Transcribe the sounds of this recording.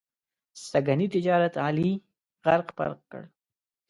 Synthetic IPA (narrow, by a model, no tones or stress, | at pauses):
saɡanit̪ɪd͡ʒɑɾat̪ɑli | ɣaɾqpa̰ɾqkə̰ɽ